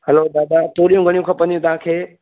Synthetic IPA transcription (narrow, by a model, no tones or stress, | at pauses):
hɛlod̪aːd̪at̪oːɾijũɡʱɐɽ̃ijũkʰɐpə̃ndijũt̪ɐʋ̤ãkʰeː